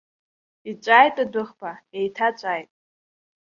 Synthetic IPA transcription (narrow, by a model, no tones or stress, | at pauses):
it͡ʃʷʼajtʼadʊχbaejtʰat͡ʃʷʼajtʼ